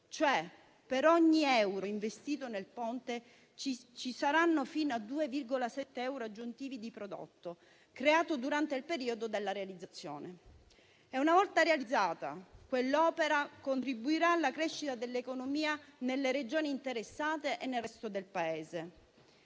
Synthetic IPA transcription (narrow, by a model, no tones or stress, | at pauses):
t͡ʃoɛ | peɾɔɲːiɛwɾoiɱvest̪iːt̪onelpɔnt̪e | t͡ʃit͡ʃisaɾanːofinoad̪uːevirɡolasɛt̪ːeɛwɾoad͡ʒːunt̪iːvid̪ipɾod̪o̰t̪ːo | kɾeaːt̪od̪uɾant̪eilpeɾiːod̪od̪elːaɾealid̪zːat̪sːjo̰ːne | ɛunavɔlt̪aɾealid̪zːaːt̪a̰kwelːɔːpeɾakont̪ɾibuiɾaːlːakɾeʃːit̪ad̪elːekonomiːanelːeɾed͡ʒoːniːnt̪eɾesːaːt̪eʔenːelrɛst̪od̪elpaeːze